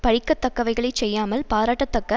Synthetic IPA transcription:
pɐɻɪkːɐt̪ːɐkːɐʋɐɪɣɐɭɐɪt͡ʃɛjːaːmɐlpaːɾaːʈːɐt̪ːɐkːɐ

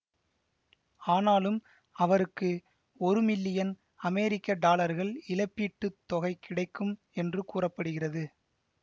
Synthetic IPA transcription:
aːnaːlɯm | ɐʋɐɾɯkːɯ | ɔɾɯmɪlːɪjɐn | ɐmɛːɾɪkːɐɖaːlɐɾɣɐɭɪlɐpːiːʈːɯt̪ːɔɣɐɪkʰɪɽɐɪkːɯm | ɛndrɯkuːrɐpːɐɽɯɣɪrɐðɯ

